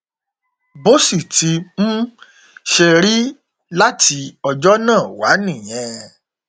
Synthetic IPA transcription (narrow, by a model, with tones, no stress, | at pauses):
bo˦si˦˨ti˧m̩̃˦ | ʃɛ˧ɾi˦ | la˦tʰi˧ɔ˧d͡ʒɔ˦nãː˦˨wa˨˦nĩ˦˨j̃ɛ̃˧